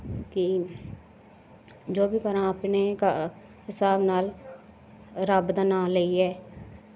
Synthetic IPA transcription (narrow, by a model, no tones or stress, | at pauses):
kɪ | d͡ʒoːbiːkəɾãːəpneka | ɦɪsaːbnaːl | ɾəbd̪ənãːləiɛː